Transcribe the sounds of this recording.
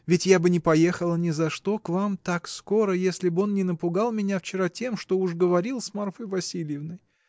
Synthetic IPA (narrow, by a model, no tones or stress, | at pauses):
vʲɪtʲjabɨnʲɪpɐje̞xəlˠənʲɪzɐʂt̪o̞kvamt̪aksko̞ɾəjesʲlʲɪbɨo̞nnʲɪnəpʊɡalˠmʲɪnʲaft͡ɕɪɾatʲe̞mʂt̪o̞uʂɡəvɐɾʲilˠsmarfəjvɐsʲilʲjɪvnɨj